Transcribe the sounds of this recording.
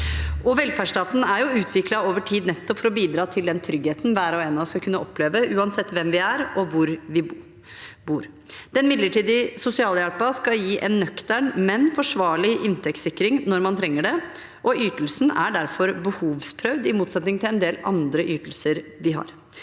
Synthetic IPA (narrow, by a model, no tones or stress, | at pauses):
ʔɔʋɛlfæʂʈɑːt̪n̩æɾjʊʉːt̪ʰʋɪklɑoːʋəʈʰiːd̪nɛt̪ːɔpfɔɾɔbiːd̪ɾɑːt̪ʰɪld̪ɛnt̪ʰɾʏɡheːt̪n̩ʋæːɾɔeːnɑskɑkʉnːəʔɔpʰːleːʋəʔʉːɑnsɛt̪ːʋɛmʋɪæɾɔʋʊɾʋɪ | buːɾ | d̪̥ɛnmɪd̪ləʈiːd̪ɪsʊsɪɑːljæɽpɑskɑjiːʔɛnːœkt̪əɳmɛnfɔʂʋɑːɭɪʔɪnt̪ʰɛkt̪sɪkːɾɪŋnɔɾmɑnt̪ʰɾɛŋːəɖɛ | ʔɔʔyːt̪l̩sn̩æɖæɾfɔɾbəhuːʋspʰɾœʋd̪ɪmuːt̪sɛt̪nɪŋt̪ʰɪlɛnd̪eːlɑ̰nd̪ɾəʔyːt̪l̩səɾʋɪɦɑ̰ɾ